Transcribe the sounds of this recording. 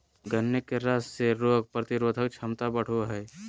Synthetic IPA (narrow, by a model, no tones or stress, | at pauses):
ɡənːekeɾasseɾoɡ̚pɾət̪iɾod̪ʱək̚t͡ʃʰəmt̪abəɽ̤uɦɛj